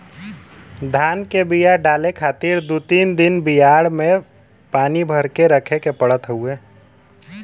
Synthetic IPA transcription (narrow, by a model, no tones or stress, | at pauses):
d̪ʱaːnkebijaɖaːlekʰaːt̪iɾd̪ut̪iːnd̪ɪnbɪjaːɽmẽ | paːnibʱəɾkeɾəkʰekepəɽ̤ət̪ɦəueː